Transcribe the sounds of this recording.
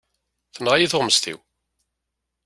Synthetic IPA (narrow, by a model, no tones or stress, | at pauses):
θənʁajiθoʁməst̪ḭw